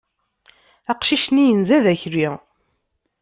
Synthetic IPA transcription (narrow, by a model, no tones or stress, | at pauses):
æqʃiʃnijənzæðæçɾiʁ